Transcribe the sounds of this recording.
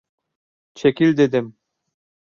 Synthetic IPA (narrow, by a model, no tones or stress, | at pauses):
t͡ʃekilʲd̪ed̪ɘm